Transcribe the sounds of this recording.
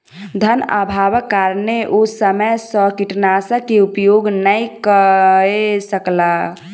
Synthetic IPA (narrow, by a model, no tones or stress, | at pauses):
d̪ʱəna̰bʱabəkːaɾneʔosəməjsə̃kiʈnasəkeupjoɡnəikəesəkla